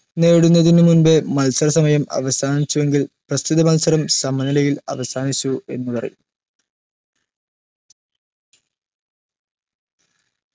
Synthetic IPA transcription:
ne̞ːɽunːɐðinɨmunbemɐlsɐɾɐsɐmɐjɐmɐ̰ʋɐsaːnit͡ɕːuʋe̞ŋɡilprɐst̪ʰiðɐmɐlsɐɾɐmsɐmːɐnilɐjilɐ̰ʋɐsaːnit͡ɕːue̞̰nːupɐrɐ̰jum

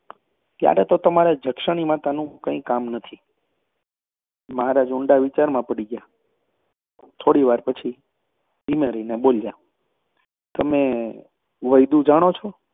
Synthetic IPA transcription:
k̪ja̰ɾet̪ot̪əmaɾad͡ʒʱəkʃəɽ̃imãt̪anũkə̃ĩkamnət̪ʰi | məɦaɾad͡ʒʊɳɖaʋit͡ʃaɾmãpəɽiɡja | t̪ʰoɽiʋaɾpət͡ʃʰi | dimeɾənebolja | t̪əme | ʋəjd̪ũd͡ʒaɽ̃ot͡ʃʰɔ

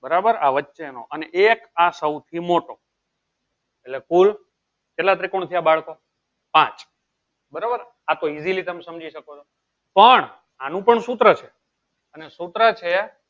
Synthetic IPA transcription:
bəɾabəɾa̰ʋətːʃeno̰ʔəneʔekasəwt̪ʰimoʈo | elekul | t͡ʃelːat̪ɾikoɳ̃t̪ʰiabaɭko | pãt͡ʃ | bəɾabəɾ | at̪oizilit̪əmesəmd͡ʒiʃəkot͡ʃʰo | pəɳ | anũpəɳsut̪ɾət͡ʃʰe | ənesut̪ɾət͡ʃʰe

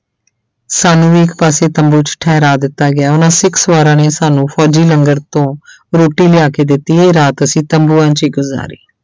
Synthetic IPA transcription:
saːnũːd̪iːɪkpaːseːt̪əmbuːt͡ʃʈʰɛːɾaːd̪ɪt̪ːaːɡɪaːʊnãːsɪksʋaːɾãːneːsaːnũːpʰɔːd͡ʒiːləŋɡəɾt̪õː | ɾoːʈːiːlɪjaːkeːd̪ɪt̪ːiːeːɾaːt̪əsĩːt̪əmbuːãːt͡ʃiːɡʊza̰ːɾḭː

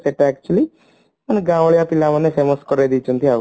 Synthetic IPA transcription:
seʈːæːk̚t͡ʃuɐli | mɐnɐɡaːʋɐɭɐjaːpilːaːmɐnːefeːmoskɔɾed̪it͡ʃunt̪ia

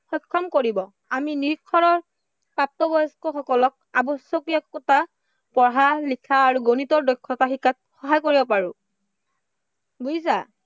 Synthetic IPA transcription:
xɔjkʰːɔmkoɹibɔ | aminiɹkʰːɔɹɔɹ | pap̚tɔbɔjskɔxɔkɔlɔk̚abɔsjɔkiakkːɔta | pɔɹɦaɹlikʰaːɹuɡonitɔɹdɔjkʰːɔtaxikːat̚xɔɦajkoɹibɔpaɹũ | ɡus̬a̰

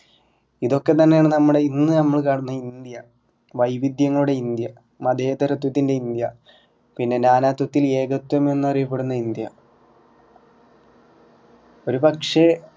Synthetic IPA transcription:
iðo̞kːe̞t̪ɐnːejaːɳɨnɐmːuɽe̞inːɨnɐmːɐɭkaːɽunːɐinnd̪jɐ | ʋɐjbid̪jɐŋːɐɭuɽe̞ind̪jɐ | mɐd̪ʱeːt̪ːɐɾɐt̪̬wɐt̪ːinde̞ind̪jɐ | pinːe̞naːnaːt̪wɐt̪ːile̞ːɡɐt̪ːwɐme̞nːuɐrijɐp̬ːeɽunːɐind̪jɐ | o̞ɾubɐkʂe

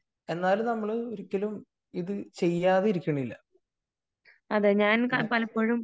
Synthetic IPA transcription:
e̞nːaːlumnɐmːɐɭɨoɾikʲːɐlum | iðɨt͡ɕe̞jːaːðeiɾikʲːɐɳɐilːɐ | ɐðeɲaːnkɐpɐlɐpːo̞ːɻum

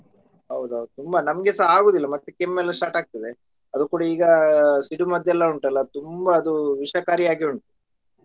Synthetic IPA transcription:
ɦɐwd̪uɦɐwd̪ut̪umbɐnɐmɐɡesɐaːɡoːd̪ilːɐmɐt̪ːukemːelːsʈaːʈaːɡ̚t̪ɐd̪e | ɐd̪ukuːɽɐiːɡɐsiɽumɐd̪jɛlːɐuɳʈɐlːɐt̪umbɐːd̪uʋiʂɐkaːɾiaːɡiuɳʈ̪ɐ

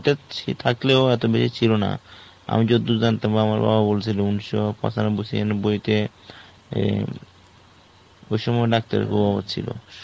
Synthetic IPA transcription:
ʈat͡ɕʰḭt̪ʰakleoɛt̪obeʃit͡ɕʰilona̰ | a̰mid͡ʑod̪ːud͡ʑant̪abaamaɾba̰babolt͡ɕʰilounʃopɔ̰sʰanabusienbojt̪e | ojʃɔmɔeɖak̚t̪a̰ɾḛkʰubɔbot̪t͡ɕʰḭlo̰

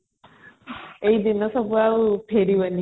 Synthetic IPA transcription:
ejd̪inːɔsɔbuawpʰeɾiʋɐnːi

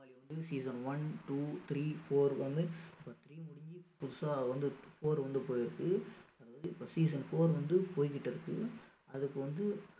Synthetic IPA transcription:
aːliʋɐnd̪ɯsiːsɐnʋɐnʈuːt̪ɾiːfoːɾʋɐnɯɪpːɐt̪ɾiːmʊɽɪɲd͡ʒipʊðɯsaːʋɐnd̪ɯfoːɾʋɐnd̪ɯpoːjɪɾɯkːɯɐðaːɐðɯɪpːoːsiːs̬ɐnfoːɾʋɐnd̪ɯpoːjkɪʈːɪɾɯkːɯ̰ | ɐðɯkːɯʋɐnd̪ɯ

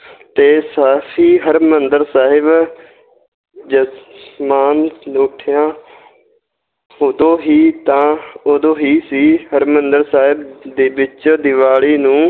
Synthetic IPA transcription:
t̪eːsaːpʰiːɦəɾmənd̪əɾsaːɦɪb | d͡ʒəsmaːnloːʈʰɪjãː | oːd̪õːɦiːt̪ãːoːd̪õːɦiːsiːɦəɾmənd̪əɾsaːɦɪbd̪eːbɪt͡ʃd̪ɪʋaːɭiːnũː

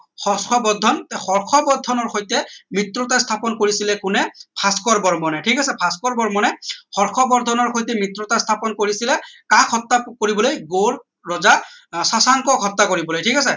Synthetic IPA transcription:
xɔskʰɔbɔdʱɔntɛxɔɹxʰɔbɔdʱːɔnɔɹxojtɛmɹitɹɔtastʰapɔnkoɹisilɛkʊnɛpʰaskɔɹbɔɹmɔnɛtʰikasɛpʰaskɔɹbɔɹmɔnɛxɔɹxʰɔbɔd̪ʱɔnɔɹxojt̬ɛmɹitɹɔtastʰapɔnkoɹisilɛkakʰɔtːakoɹibɔlojɡoɹ | ɹɔzasasaŋkɔkʰɔtːakoɹibɔlojtʰikasɛ

